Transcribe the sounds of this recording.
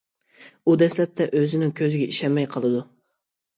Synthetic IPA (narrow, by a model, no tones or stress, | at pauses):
ud̪ɛslɛp̚t̪ʰɛʔøzɪnɪŋkʲʰøzɪɡʲɛiʃɛmmːɛjqʰəlˠɨd̪u